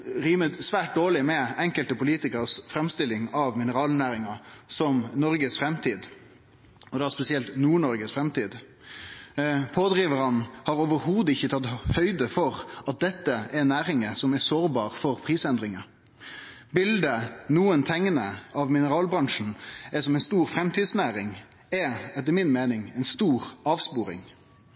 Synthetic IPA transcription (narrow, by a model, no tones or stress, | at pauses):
ɾiːmət̪sʋæːʈ̚d̪oːlɪmɛɛŋkəlt̪əpʊliːt̪ɪkəʁsfɾɛmst̪ɪlːɪŋɑʋmɪnəɾɑːlnæːɾɪŋɑsɔmnɔɾɡəsfɾɛmt̪ʰiːd̪ | ɔd̪ɑspɛsɪɛlt̪nuːɳɔɾɡəsfɾɛmt̪iːd̪ | pʰoːd̪ʁiːʋəɾɑnhɑɾoːʋəɾhuːd̪əɪçːət̪ʰɑt̪hœʏd̪əfɔʁɑt̪̚d̪ɛt̪ːəɛnæːɾɪŋəsɔmæsoːɾbɑːʁfɔʁpʰʁiːsɛnd̪ʁɪŋə | bɪld̪ənuːənt̪ʰɛŋːnəɑʋmɪnəɾɑːlbɾɑŋʂn̩ɛsɔmɛɪnst̪uːɾfɾɛmt̪ʰiːd̪snæːɾɪŋ | ɛɛt̪ːəmɪnmeːnɪŋɛɪnst̪uːɾɑːʋspuːɾɪ̰ŋ